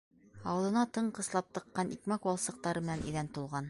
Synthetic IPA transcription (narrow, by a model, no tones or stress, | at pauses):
ɑwɤ̆lˠɤ̆nɑt̪ɤɴqɤ̆slˠɑp̚t̪ɤ̆qːɑnʔikmækwɑlˠsɤ̆q̚t̪ɑɾɤmɘ̆nænʔḭðænt̪ulˠʁɑn